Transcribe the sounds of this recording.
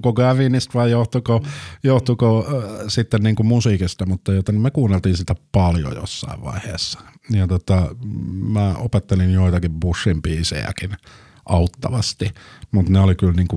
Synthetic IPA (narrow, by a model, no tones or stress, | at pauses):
koɡæʋiːnist̪ʋɑijoht̪ukojoht̪ukosit̪ːenniːŋkumusiːkist̪ɑmut̪ːɑjot̪enimmekuːnːelt̪iːnsit̪æpɑljo̰jo̰sːɑ̰iʋʋɑ̰ihḛːsːɑ̥jɑt̪ot̪ɑ | mæopet̪ːelinjoit̪ɑkibbusːimpiːsḛjæ̰kin | ʔɑut̪ːɑʋɑst̪imut̪neolikylniːŋku